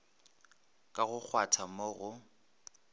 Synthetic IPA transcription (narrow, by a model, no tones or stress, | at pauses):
kʼaɣʊk͡xʰwatʰamoɣʊ